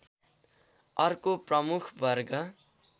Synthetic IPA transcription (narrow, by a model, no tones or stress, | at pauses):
ʌrkoprʌmukʰbʱʌrɡʌ